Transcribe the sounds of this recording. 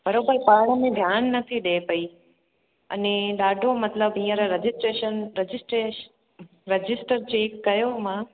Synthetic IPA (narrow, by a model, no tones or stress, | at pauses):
b̥ʱəɾobəɾpaɾɳəmẽd̪ʱjanːət̪ʰiɗepəi | ə̰neɗaɖʱomət̪ləbĩjãɾaɾəd͡ʒɪsʈɾeʃənɾəd͡ʒɪsʈɾe | ɾəd͡ʒɪsʈəɾt͡ʃeːkːəjomã